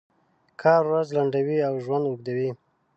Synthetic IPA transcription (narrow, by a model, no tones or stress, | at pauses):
kʰɑɾɾazlaɳɖawiawʒwand̪uɡ̚d̪awi